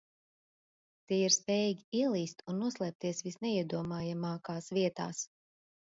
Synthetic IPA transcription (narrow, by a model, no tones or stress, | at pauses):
t̪iɛiɾspʲɛːjiɡʲiiɛlˠiːst̪unːuɔslˠɛːp̚t̪iɛsvisnɛiɛd̪uɔmaːjamaːkaːsvʲiɛt̪a̰ːs